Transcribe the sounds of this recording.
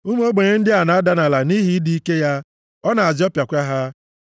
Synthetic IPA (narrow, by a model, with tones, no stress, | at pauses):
u˦m˦o˦ɡ͡be˨ɲe˦n̩˦dɪ˦a˨na˨a˦da˨na˨la˨ni˦ɦi˦di˦i˦ke˦ja˦ | ɔ˦na˨a˨d͡ʒɪ˦ɔ˦pja˨kʷa˦ɦa˦